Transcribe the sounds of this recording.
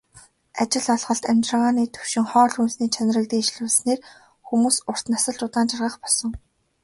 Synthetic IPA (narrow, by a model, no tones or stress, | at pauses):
at͡ɕɪ̆ɮɔɮχɞ̆ɬt̪æmʲt͡ɕrə̆ʁaːniːt̪ʰɵw̥ʃɪ̆ŋχɔːɮunsniːt͡ɕʰan̆rə̆kt̪iːʃ̆ɮʊːɮsneːr | xumuːsʊr̥t̪nasə̆ɮt͡ɕʊt̪aːnt͡ɕʰarʁə̆χpɔɮsɞ̆ŋ